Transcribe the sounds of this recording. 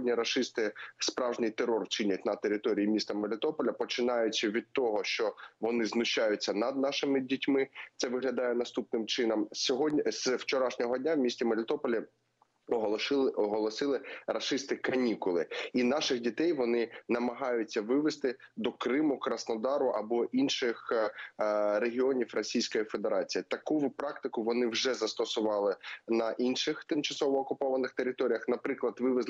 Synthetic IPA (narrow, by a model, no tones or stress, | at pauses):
dʲnʲiɾɐʃɪst̪ɪspɾɑwʒnɪjt̪erɔrt͡ʃɪnʲɐt̚ʲnɐt̪eɾʲɪt̪ɔɾʲijimʲist̪ɐmelʲɪt̪ɔpɔlʲɐpɔt͡ʃɪnɑjʊt͡ʃɪʋʲid̪̚t̪ɔɦɔʃt͡ʃɔʋɔnɪznʊʃt͡ʃːajʊt͡sʲːɐnɐd̪̚nɑʃɪmɪdʲitʲmɪt̪sɛʋɪɦlʲɐd̪ɑjɛnɐst̪upnɪmt͡ʃɪnɐmsʲɔɦɔswt͡ʃɔɾɑʃnʲɔɦɔdʲnʲawmʲisʲtʲimɐlʲɪt̪ɔpɔlʲɐ | ɔɔɦɔlˠɔsɪlˠɪrɐʃɪst̪ɪkɐnʲikʊlˠɪinɑʃɪxdʲit̪ɛjʋɔnɪnɐmɐɦɑjʊt͡sʲːɐʋɪʋɪst̪ɪd̪ɔkɾɪmʊkɾɐsnɔd̪ɑɾʊʔɐbɔʔinʃɪx | ɾeɦʲiɔnʲiwrɔsʲijsʲkɔjife̞d̪eɾɑt͡sʲijit̪ɐkupɾɑk̚t̪ɪkʊʋɔnɪwʒɛzɐst̪ɔsʊʋɑlˠɪnɐʔinʃɪxt̪ɪmt͡ʃɐsɔʋɔːkʊpɔʋɐnɪxt̪eɾʲɪt̪ɔɾʲijɐxnɐpɾɪklˠɐd̪ʋɪʋɪz